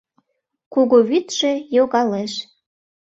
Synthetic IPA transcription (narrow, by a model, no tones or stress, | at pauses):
kuɣoβyt̪ʒĕjoɣɑleʃ